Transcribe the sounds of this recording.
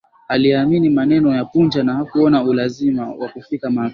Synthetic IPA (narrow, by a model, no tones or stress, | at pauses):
aliɛaminimanɛnɔjapund͡ʒanahakuɔnaulazimawakufikama